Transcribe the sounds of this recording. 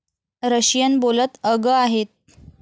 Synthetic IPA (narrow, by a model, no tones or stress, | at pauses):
ɾəɕjənbolət̪əɡəaɦet̪̚